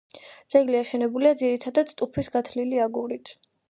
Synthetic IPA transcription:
d̪z̥ɛɡliaʃɛnɛbuliad̪ziɾit̪ʰad̪ad̪t̪ʼupʰisɡat̪ʰliliaɡuɾit̪ʰ

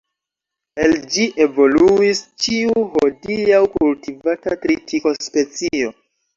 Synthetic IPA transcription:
eld͡ʒiʔe̞vo̞luist͡ʃiuɦodiawkultivatatɾitiko̞spe̞t͡sio̞

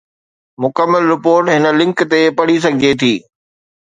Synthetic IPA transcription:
mʊkəmːəlɾɪpoːɾʈɦɪnə̆lɪ̃ŋkt̪epɐɽ̤is̬ɐɡʱɪd͡ʑet̪ʰiː

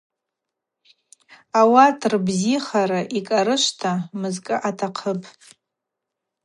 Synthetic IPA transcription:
awatʰrbziχaɾaʔikʼaɾɨʃʷtʰamɨzkʼɨʔatʰaqʰəpʼ

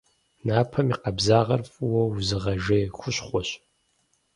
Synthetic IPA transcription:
naːpʰɐmiqɐbzaːʁɐrfʼwɐwuzɨʁɐʒeːxʷʊɕχʷɔɕ

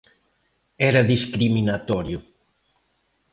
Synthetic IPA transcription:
ɛɾɐðiskɾiminat̪ɔɾjʊ

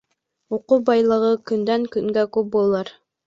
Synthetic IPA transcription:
oqubɑjlˠɤ̆ʁɤkynd̪æŋkyŋɡækʉp̚bolˠɑɾ

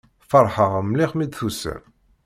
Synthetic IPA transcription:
fəɾˤħəʁəmliχmid̪θusə̰ɾ

